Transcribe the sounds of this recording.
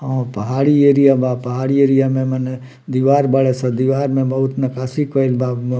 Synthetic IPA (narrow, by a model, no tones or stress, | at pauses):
ɦãːpɐɦaːɽieːɾijabaːpɐɦaːɽieːɾijamẽmɛne | d̪iʋaːɾbɐɭesɐd̪iʋaːɾmẽbɐɦʊt̪nɐkaːsikʋəɪlbaːb